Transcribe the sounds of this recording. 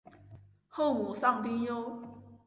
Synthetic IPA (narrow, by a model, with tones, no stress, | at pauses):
ho˥˩mu˨˦sɑ˥˨ŋt̪i˥˦jo˦ʊ